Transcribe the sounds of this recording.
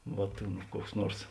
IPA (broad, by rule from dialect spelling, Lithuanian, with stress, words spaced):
ˈʋoːt ˈkuɔks ˈnuɔrs